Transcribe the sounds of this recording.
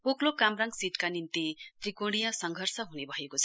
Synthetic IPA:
poklokamraŋɡsiʈkanint̪it̪rikoɽ̃ijʌsʌŋɡʱʌrsʌɦunebʱʌekot͡sʰʌ

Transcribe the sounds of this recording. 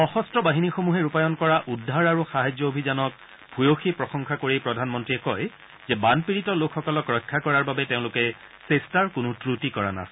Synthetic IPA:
ɔxɔstɹɔbaɦinixomuɦɛɹupajɔnkɔɹaʔudʱːaɹaɹuxaɦad͡ʒɔobʱizanɔk̚ | bʱujoxipɹɔxɔŋxʰakoɹipɹɔdʱanmɔntɹiɛkɔj | zɛbanpiɹitɔlokʰxɔkɔlɔkɹɔjkʰːakɔɹaɹbabɛteʊ̃lʊkɛ | sestaɹkʊnutɹutikɔɹa̰na̰sɛ

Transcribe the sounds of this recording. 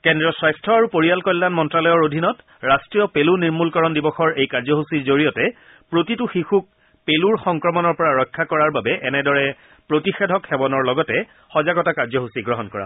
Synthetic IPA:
kɛndɹɔsɹajstʰɹɔaɹupoɹijalkɔjlːanmɔntɹalɔjɔɹodʱinɔt | ɹastɹijɔpeluniɹmulkɔɹɔndibɔxɔɹejkaɹzɔɦusiɹzoɹijɔtɛ | pɹotituxixuk̚ | peluɹxɔŋkɹɔmɔnɔɹpɔɹaɹɔjkʰːakɔɹaɹbabɛʔɛnɛdɔɹɛ | pɹotixɛdʱɔkxɛbɔnɔɹlɔɡɔtɛ | xɔzaɡɔtakaɹzɔɦusiɡɹɔɦɔnkɔɹa̰

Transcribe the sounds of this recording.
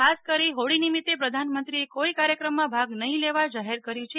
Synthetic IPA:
askəɾiɦoɽinimit̪ːepɾəd̪ʱanmənt̪ɾiekoikaɾjəkɾəmːãbʱaɡnəɦĩleʋad͡ʒaɦeɾkəɾjũt͡ʃʰe

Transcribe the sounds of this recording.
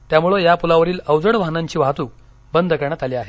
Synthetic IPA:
t̪jamuɭəjapulaʋəɾiːləwd͡zəɽʋaɦnaɲt͡ɕiːʋ̤aɦt̪uːk̚ | bənd̪ʱəkəɾɳjat̪aliːaɦe

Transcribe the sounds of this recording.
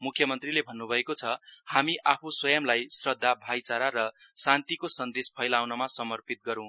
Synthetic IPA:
mukʰjʌmʌnt̪rilebʱʌnːubʱʌekot͡sʰʌhamiʔapʰuswʌjʌmlajsrʌd̪ʱːabʱajt͡saɾaɾʌsant̪ikosʌnd̪espʰʌjlawnʌmasʌmʌrpit̪̚ɡʌɾũ

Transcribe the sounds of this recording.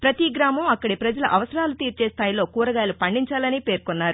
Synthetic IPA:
pɾɐt̪iɡɾaːmɐmɐkːɐɽipɾɐd͡ʒɐlɐʔɐʋɐsɐɾaːlut̪iːɾt͡ʃeːst̪ʰaːjilo̞ːkuːɾɐɡaːlupɐɳɖiɲt͡ʃaːlɐnipe̞ːɾkunːaːɾu

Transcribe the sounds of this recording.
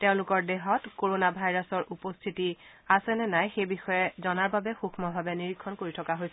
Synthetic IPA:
tɛʊ̃lʊkɔɹdeɦɔtkoɹonabʱajɹasɔɹʔupɔstʰiti | asɛnɛnajxejbixɔjɛzɔnaɹbabɛxuxʰmɔbʱabɛniɹikʰːɔnkoɹitʰɔkaɦojsɛ

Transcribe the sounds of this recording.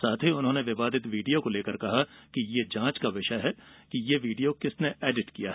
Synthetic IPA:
saːt̪ʰiʊnɦõːneʋɪʋaːd̪ɪt̪ʋiːɖijokoleːkɐɾkɐɦakijeːd͡ʒãːt͡ʃkaʋɪʃaɦɛkijeʋiːɖijokɪsneʔeːɖɪʈkijaɦ

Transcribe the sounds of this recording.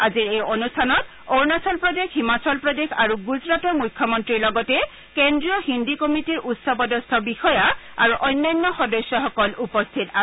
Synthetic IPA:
aziɹejonustʰanɔt | oɹnasɔlpɹɔdexɦimasɔlpɹɔdexaɹuɡuzɹatɔmujkʰːɔmɔntɹiɹlɔɡɔtɛ | kendɹijɔhindikɔmitiɹʔutsɔpɔdɔstʰɔbixɔja | aɹuʔɔjnːajnːɔxɔdɔsjɔxɔkɔlupɔst̪ʰita

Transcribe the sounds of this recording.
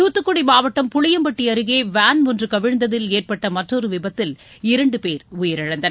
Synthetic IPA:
uːt̪ːɯkːɔɽimaːʋɐʈːɐmpʊɻɪjɐmbɐʈːiɐɾɯɣeːʋaːnmɔndrɯkɐʋɪɻnd̪ɐðɪleːrpɐʈːɐmɐʈrɔɾɯʋɪbɐt̪ːɪlɪɾɐɳɖɯpeːɾʊjɪɾɐɻɐnd̪ɐn

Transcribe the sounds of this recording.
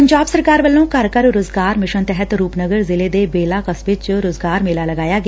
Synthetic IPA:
əɲd͡ʒaːbsəɾkaːɾʋəlːõːkɐɾkəɾʊɾʊzɡaːɾmɪʃənt̪ɛɦət̪ɾuːpnəɡəɾzɪleːd̪ebeːlaːkəsʋɪt͡ʃɾʊzɡaːɾmeːlaːlɐɡaːjaːɡ

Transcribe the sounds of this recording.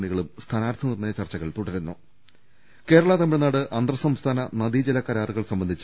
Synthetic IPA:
ɳiɣɐɭumst̪ʰanaːɾt̪ʰɐnirnɐjɐt͡ɕɐrt͡ɕːɐɣɐɭt̪uɽɐɾunːu | ke̞ːɾɐɭɐt̪ɐmːiɻnːaːɽɨʔɐnd̪rɐsɐmst̪ʰaːnɐnɐd̪id͡ʑilɐkːɐɾaːruɣɐɭsɐmbɐnd̪ʱit͡ɕː

